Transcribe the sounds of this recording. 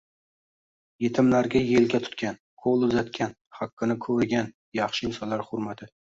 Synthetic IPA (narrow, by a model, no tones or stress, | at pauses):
je̞t̪ʰɪmlaɾɡʲajelɡʲat̪ʰʊ̥t̪̚kʲan | kʰolˠʊzat̪kʲʰan | hakːɨnɪkʰɵɾɡʲan | jɑχʃɪɪmsɒlaɾχʊɾmat̪ʰɪ